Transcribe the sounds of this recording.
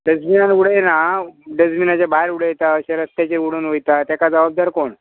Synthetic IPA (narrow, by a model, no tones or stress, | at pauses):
ɖəd͡zminanuɽəjenaɖəd͡zminat͡ɕjabaɦɾuɽəjet̪aəɕaɾəst̪jat͡ɕeuɽunʋojt̪at̪jakad͡zəbab̚d̪aɾkoɳ